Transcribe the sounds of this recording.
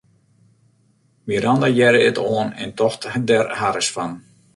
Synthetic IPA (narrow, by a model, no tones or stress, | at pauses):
miəɾandajɛɾəɪtoənɪ̰ntɔxthədɛrhaɾəsfan